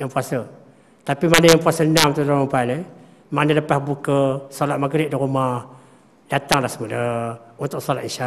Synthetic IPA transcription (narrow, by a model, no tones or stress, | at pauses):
jaŋpuasə | t̪apimanəjaŋpuasəənamt̪udaɾumpani | manələpahbukəsolat̪̚maɡɾɪʔ̚diɾumah | d̥at̪aŋlahsəmudəunt̪ʊʔ̚solat̪inʃa